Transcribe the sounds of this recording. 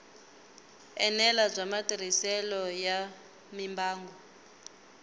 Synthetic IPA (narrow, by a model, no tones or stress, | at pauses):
ɛnɛlab͡ʐʷamatiɾ̤isɛlɔja | mimbaːŋɡɔ